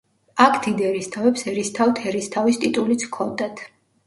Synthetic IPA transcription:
akʰd̪̥id̪ɛɾist̪ʰavɛpsɛɾist̪ʰavt̪ʰɛɾist̪ʰavist̪ʼit̪ʼulit̪sʰkʰɔnd̪at̪ʰ

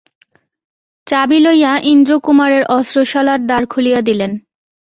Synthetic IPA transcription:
t͡ɕabilojaʔind̪ɾokumaɾeɾʔɔsɾoʃɔlaɾd̪aɾkʰulijad̪ilen

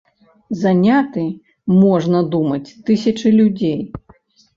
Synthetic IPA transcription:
zanʲat̪ɨ | mɔʐnɐd̪umɐt͡sʲt̪ɨsʲɐt͡ʂɨlʲud͡zʲej

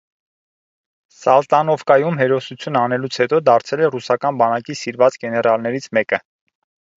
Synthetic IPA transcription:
sɑlt̪ɑnɔvkɑjumɦɛɾɔsut͡sʰjunɑnɛlut͡sʰhɛt̪ɔd̪ɑɾt͡sʰɛlɛrusɑkɑnbɑnɑkisiɾvɑt͡sɡɛnɛɾɑlnɛɾit͡sʰmɛkə

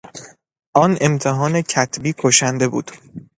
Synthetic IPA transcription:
ʔɒːne̞mt̪ʰeɦɒːnecʰæt̪ʰbiːkʰoʃænd̪e̞bṵːd̪̥

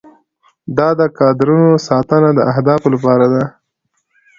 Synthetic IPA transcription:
d̪ɑd̪əkɑd̪ɪɾunosɑt̪ənad̪əʔahd̪ɑflapɑɾad̪a

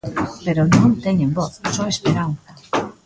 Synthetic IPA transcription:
peɾonõnt̪eɲẽmboθsoespeɾanθa

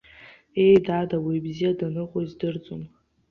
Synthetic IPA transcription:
e̞jdadawibzijadanɨqʷʼoizdɨrt͡sʼon

